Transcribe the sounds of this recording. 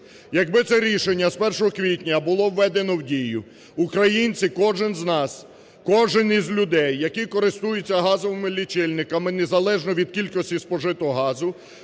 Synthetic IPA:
jɐɡbɪt̪sɛɾʲiʃenʲːɐspɛrʃɔɦɔkʋʲitʲnʲɐbʊlˠɔwːɛd̪enɔwdʲijʊ | ukɾɐjinʲt͡sʲikɔʒɪnznɑs | kɔʒɪnizʲlʲʊd̪ɛjːɐkikɔɾɪst̪ujʊt͡sʲːɐɦɑzɔʋɪmɪlʲːit͡ʃɪlʲnɪkɐmɪnezɐlˠɛʒnɔʋʲid̪̚kʲilʲkɔsʲtʲispɔʒɪt̪ɔɦɔɦɑzʊ

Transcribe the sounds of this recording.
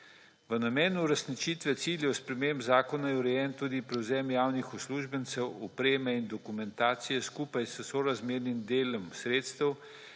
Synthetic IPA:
ʋənamɛːnuːɾɛsnit͡ʃiːt̪ʋɛt̪siːljɛwspɾɛmembzaːkɔnajɛuɾɛjɛnt̪uːd̪ipɾɛwzɛːmjaːwnixɔsluːʒbənt̪sɛwɔpɾeːmɛind̪ɔkumɛnt̪aːt̪sijɛskuːpajssoɾazmeːɾnimd̪eːlɔmsɾeːt̪st̪əw

